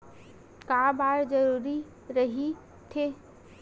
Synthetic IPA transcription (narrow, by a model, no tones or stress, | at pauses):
kabaːɾd͡ʒəɾuːɾi | ɾəɦi | t̪ʰe